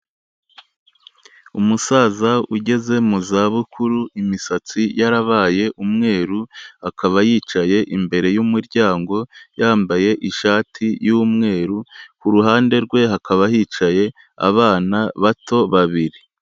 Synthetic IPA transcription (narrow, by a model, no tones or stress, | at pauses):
umusaːzauɟe̞ze̞muzaːβukʰuɾuimisat͡sijaɾaβaːje̞ʔumŋe̞ːɾuhakaβajiːt͡ʃaje̞ʔimbe̞ɾe̞jumuɾɟaːŋɡo̞jaːmbaje̞ʔiʃaːtʰijumŋe̞ːɾukuɾuɦaːnde̞ɾɡwe̞ɦakʰaβahiːt͡ʃaje̞ | a̰βaːnaβato̞βaβiɾi